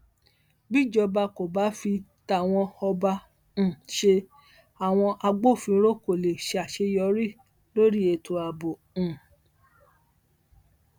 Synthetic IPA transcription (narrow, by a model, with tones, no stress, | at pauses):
bi˦˨d͡ʒɔ˧ba˧ko˨ba˨˦fi˧ta˨w̃ɔ̃˧ɔ˧ba˧ | ñ̩˨ʃe˧ | a˨w̃ɔ̃˧ʔa˧ɡ͡bo˦˨fĩ˧˦ɾo˦ko˨le˨ʃe˧a˨ʃe˧jɔ˧˦ɾi˦ | lo˦ɾi˦e˧tʰo˧a˧˨bõ˨